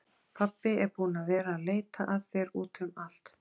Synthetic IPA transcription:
pʰapːɪɛɾpuːnavɛːɾaːleːjt̪aʔaðfɛːɾuːt̪ʏmal̥t̪

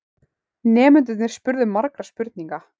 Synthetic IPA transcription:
nɛːmʏnt̪̬ʏt̪nɛɾ̥spʏɾðʏmːaɾkɾaspʏɾt̪niŋka

